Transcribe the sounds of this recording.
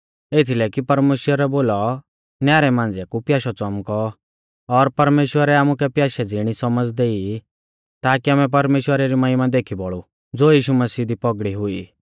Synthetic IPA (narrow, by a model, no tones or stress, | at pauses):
et̪ʰilɛkipɐɾmeːʃwəɾɛboːlɔ | njaːɾɛmãːnd͡zjakupjaːʃɔt͡sɔmkɔː | ɾpɐɾmeːʃwəɾɛaːmukɛpjaːʃɛd͡zɪɽ̃isɔməd͡zd̪eːi | t̪aːkiaːmɛ̃p̬ɐɾmeːʃwəɾaɾimɐjmad̪eːkʰibɔɭu | d͡zoːjiːʃumɐsiːd̪ipɔɡɽiɦʊi